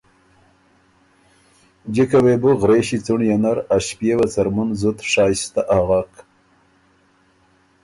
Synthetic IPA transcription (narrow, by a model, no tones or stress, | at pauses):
d͡ʒikawebuɣɾeɕit͡suɳjanaɾaɕpjewat͡saɾmunzut̪ʂɑːjst̪aʔaɣak